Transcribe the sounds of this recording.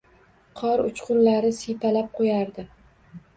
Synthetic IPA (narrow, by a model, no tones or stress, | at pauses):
qʰɒɾʊ̰t͡ʃqʊnlaɾɪsijpʰalap̚qʰojaɾd̪ɪ